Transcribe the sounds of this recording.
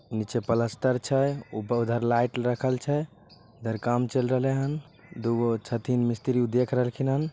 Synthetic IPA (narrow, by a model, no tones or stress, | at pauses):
unit͡ʃepələst̪əɾt͡ʃʰɛupəud̪ʱəɾlajʈɾəkʰəlt͡ʃʰɛ | ud̪ʱəɾkamt͡ʃelɾəɦəleɦən | d̪uɡot͡ʃʰət̪inmist̪iɾiud̪ekʰɾəɦəlkʰinɦən